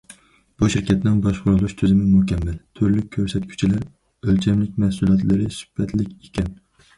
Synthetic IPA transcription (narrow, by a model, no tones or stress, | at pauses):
b̥uʃɪɾkʲʰat̪nɪnbɒʃqʰʊɾɨlˠuʃt̪ʰyzɪmɪmʊhkʲamːalt̪ʰʊɾlɪkʲʰːøɾsɛt̪kʲʰy̥t͡ʃʰilaɾ | ølt͡ʃʰɛmlɪkʲmæhsulˠjɛt̪lɪɾɪsʊ̥b̥ɛt̪ʰlɪkʲekʲɛn